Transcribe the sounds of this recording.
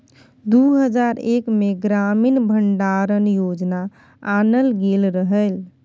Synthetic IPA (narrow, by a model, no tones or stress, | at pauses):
d̪uɦəd͡ʒaɾekmeɡɾaminbʱəɳɖaɾənjod͡ʒna | anəlɡelɾəɦəl